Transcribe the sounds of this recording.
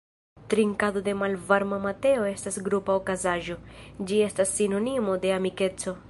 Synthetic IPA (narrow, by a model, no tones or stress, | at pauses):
t̪ɾiŋkado̞de̞malvaɾmamate̞o̞e̞stasɡɾupaokazaʒo̞d͡ʒie̞stasːino̞nimo̞de̞amike̞t͡so̞